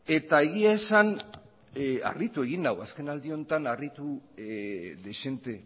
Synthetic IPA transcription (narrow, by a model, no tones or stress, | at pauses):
e̞t̪aeɣ̞iae̞san | a̰rit̪ue̞ɣinawaske̞nald̪io̞nt̪anarit̪u | ðe̞ʃe̞nt̪e̞